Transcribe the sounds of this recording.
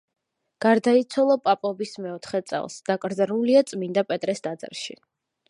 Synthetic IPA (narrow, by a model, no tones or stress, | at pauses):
ɡ̥aɾd̪ait̪sʰwalˠɔpʼapʼɔbismɛɔt̪ʰχɛt̪sʼɛ̰lˠsd̪̥akʼɾd̪zɾuliat̪sʼmind̪apʼɛt̪ʼɾɛsd̪ad̪zɛ̰ɾʃḭ